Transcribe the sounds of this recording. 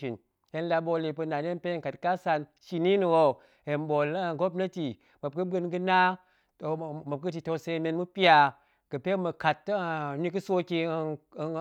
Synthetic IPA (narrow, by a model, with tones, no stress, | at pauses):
i˨n | he˨˦n˦la˧bo˧le˨pɨ˧na˨ne˦n˦pe˦ŋ˨ka˨tka˦sa˧nʃi˨˦ni˦ni˨wo˦˨ | he˨nbo˨lɡo˦bnə˦ti˨ | mə˨b̚kɨ˦bɨ˦nɡɨ˦na˦ | to˨ma˨p̚kɨ˦ti˨to˧˦se˧˦me˧nmu˦pi˦a˧ | ɡ̥ɨ˨pe˦mə˨ka˨tːni˦kɨ˦so˦ki˦˨